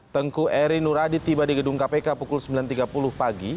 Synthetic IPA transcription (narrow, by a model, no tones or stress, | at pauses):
t̪əŋkuɛɾinuɾadit̪ibadiɡəduŋkapekapukʊlsəmbilant̪iɡapulʊhpaɡi